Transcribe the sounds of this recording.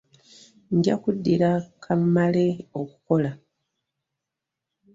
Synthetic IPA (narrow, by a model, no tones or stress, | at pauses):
ndja̰kudːiɾakʰamːaleo̞kuko̞la